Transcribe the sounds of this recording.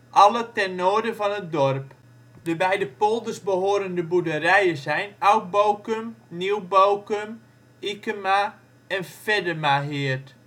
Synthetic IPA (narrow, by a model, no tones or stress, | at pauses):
ʔɑlətɛnːoədəvɔnət̚dɔrp | dəbɛjdəpolˠdərzbəɦoːɾəndəbudərɛjəzɛjnawk̚bowkəmniwbowkəm | ikəma | ɛnfɛdəmaɦɪət